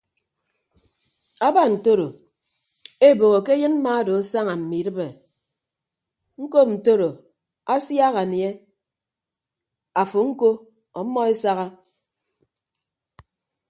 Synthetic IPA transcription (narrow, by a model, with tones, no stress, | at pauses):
a˦ba˦n̩˨to˦ɾo˨ | e˦˨bo˨ɣo˨ke˦jɨ˦nm̩˦ma˦do˨a˦sa˦ŋa˨m̩˨mi˨ɾɨ˦be˨ | ŋ̩˦ko˦p̚n̩˨to˦ɾo˨ | a˦sja˦ɣa˨nje˦ | a˨fu˨ŋ̩˦ko˦ | ɔ˨˦mːɔ˦e˦sa˦ɣa˦